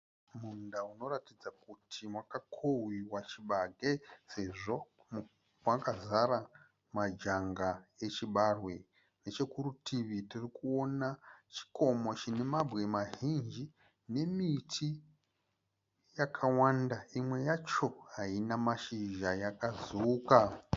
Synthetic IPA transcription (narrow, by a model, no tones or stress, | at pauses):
mundauno̞ratid͡zakutʰimwakakʰowiwat͡ʃiɓaɡʱese̞ʐo̞ | m | mwakazaɾa | mad͡ʒaŋɡaet͡ʃiɓarwe | ne̞t͡ʃe̞kurutʰiʋitirikuo̞nat͡ʃi̥ko̞mo̞t͡ʃine̞mabɣe̞maɦind͡ʒi | ne̞mitʰi | jakʰawandaimwe̞jat͡ʃo̞ɦainamaʃiʒajakazuuka